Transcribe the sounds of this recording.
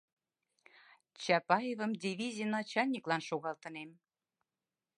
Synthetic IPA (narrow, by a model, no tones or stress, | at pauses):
t͡ɕɑpɑjevə̆md̪ʲivʲizʲijnɑt͡ɕɑlʲnʲiklɑnʃoɣɑlt̪ɤ̆nem